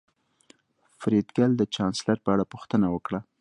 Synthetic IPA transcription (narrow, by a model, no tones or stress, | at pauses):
fɾed̪ɡald̪ət͡ʃɑnslaɾpəaɽapuxt̪ənawəkɽa